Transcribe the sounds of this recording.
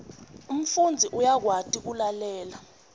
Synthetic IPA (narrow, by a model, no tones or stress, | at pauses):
um̩fund͡zʱiʔujak̬watʰʼik̬ulalɛːla